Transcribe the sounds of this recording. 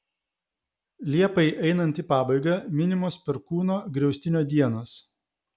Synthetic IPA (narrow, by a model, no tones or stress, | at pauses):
lʲiɛpɐɪʔɛɪnɐnʲt̪ʲiːˑpɑːbɐɪɡɐmʲɪnʲɪmʊspʲɛɾkuːnoːɡɾʲɛʊsʲt̪ʲɪnʲoːd̪ʲiɛnoːs